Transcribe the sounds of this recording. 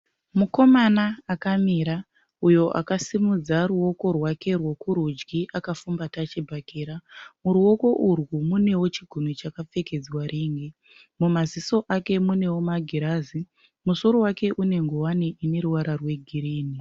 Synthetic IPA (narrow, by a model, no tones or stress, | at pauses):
muko̞manaːkamiɾa | ujo̞ʔa̰kasimud͡zaɾuo̞ko̞rwake̞rwo̞kuɾud͡ʒɡiʔakafumbatat͡ʃibʱakeːɾamuɾuo̞ko̞ʔurwumune̞wo̞t͡ʃiɡʱonot͡ʃakap͡fe̞ke̞d͡zwaɾiːŋɡe | mumaziso̞ʔake̞mune̞womaɡʱiɾazi | muso̞ɾo̞wake̞ʔune̞ŋɡowaneʔine̞ɾuwaɾarwe̞ɡʱiɾiːni